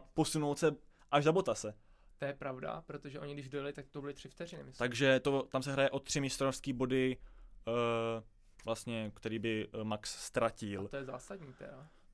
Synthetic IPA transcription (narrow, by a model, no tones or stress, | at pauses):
po̞sunowt̪sɛ | ʔaʒzabo̞t̪asɛ | t̪ojɛpɾavda̰pɾot̪oʒɛʔo̞ɲɪɡdɪʒdɛlalɪt̪ak̚t̪obɪlɪt̪r̥ɪft̪ɛrɪnɪmɪst̪aɡʒɛt̪ot̪amsɛɦɾajɛʔo̞t̪ːr̝̥ɪmɪst̪onofskiːbo̞dɪ | vlast̪ɲɛkt̪ɛɾiːbɪmaksst̪ɾacɪlt̪ojɛza̰ːsadɲiːt̪ɛ̰ɾa